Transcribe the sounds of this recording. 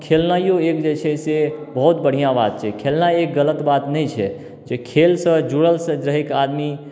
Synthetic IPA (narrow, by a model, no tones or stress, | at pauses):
kʰelnajõekd͡ʒet͡ʃʰɛsebəɦut̪bəɽ̤ijãbat̪̚t͡ʃʰɛkʰelnajek̚ɡələt̪bat̪nɛjt͡ʃʰɛ | d͡ʒekʰelsə̃d͡ʒuɽəlsə̃ɾəɦekad̪mi